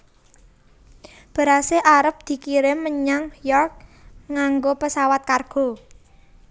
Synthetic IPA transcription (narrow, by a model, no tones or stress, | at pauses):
b̥a̤ɾaseʔaɾəp̚d̪̥i̤kiɾɪmːəɲaŋjɔrk̚ŋaŋɡopəsawat̪̚karɡ̥ɔ̤